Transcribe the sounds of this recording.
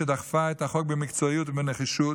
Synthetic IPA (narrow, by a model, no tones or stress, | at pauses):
edaχfaɛtaχɔk̚bɪmɪkt͡sɔjutmɪnəχiʃu